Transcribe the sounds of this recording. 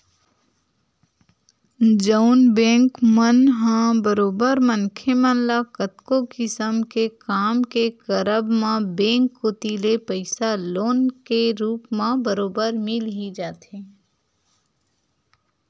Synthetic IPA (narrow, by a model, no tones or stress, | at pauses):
d͡ʒəʊnbɛ̃ːŋkmənɦãbəɾoːbəɾmə̃nkʰemə̃nlakət̪kokɪsəmkekaːmkekəɾəbmãbẽːŋkːot̪iːlepəɪsaloːnkeɾuːpmãbəɾoːbəɾmɪlɦid͡ʒaːt̪ẽː